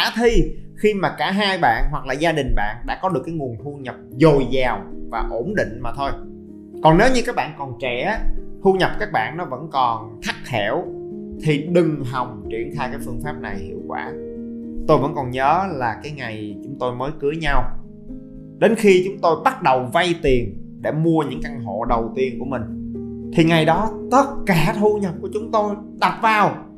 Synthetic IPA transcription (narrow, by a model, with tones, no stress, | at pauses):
aː˧˦t̪ʰi˧xi˧maː˨˩kaː˧˩ɦaː˧jɓa̰ː˧˨nɦwa˨˩k̚laː˨˩zaː˧ɗï˨˩ŋ̟ɓa̰ː˧˨nɗa̰ː˧˥kɔ˨˦ɗɨ˨˩əkːaː˨˦jŋu˨˩ənt̪ʰu˧ɲə˨˩p̚zo˨˩jzaː˨˩wvaː˨˩ʔo˧˩nɗḭ˧˨ŋ̟maː˨˩t̪ʰo˧j | kɔ˨˩ne˨˦wɲɨ˧kaː˦˥k̚ɓa̰ː˧˨nkɔ˨˩nt͡ɕɛ˧˩t̪ʰu˧ɲə˨˩p̚kaː˦˥k̚ɓa̰ː˧˨nːɔ˨˦və̰˧˥nkɔ˨˩n | t̪ʰa˦˥k̚hɛ˧˩wt̪ʰi˨˩ɗɨ˨˩ŋɦa˨˩wŋ͡mt͡ɕwi˧˩ənt̪ʰaː˧jkaː˨˦jfɨ˧əŋfaː˦˥p̚na˨˩jhḭ˧˨əwkwa̰ː˧˩t̪o˧jvə̰˧˥nkɔ˨˩nɲəː˨˦laː˨˩kaː˨˦jŋa˨˩jt͡ɕʊ˨˦ŋ͡mt̪o˧jməː˨˦jkɨ˨˦əɲa˧w | ɗe˨˦nxi˧t͡ɕʊ˨˦ŋ͡mt̪o˧jɓa˦˥t̚ɗə˨˩wva˧jt̪i˨˩ənɗe˧˩mu˧əɲɨ̰˧˥ŋka˧ŋɦo̰˧˨ɗə˨˩wt̪i˧ənku˧˩əmï˨˩ŋ̟t̪ʰi˨˩ŋa˨˩jɗɔ˨˦t̪ə˦˥t̚kaː˧˩t̪ʰu˧ɲə˨˩p̚ku˧˩ət͡ɕʊ˨˦ŋ͡mt̪o˧j | ɗa˨˩p̚vaː˨˩w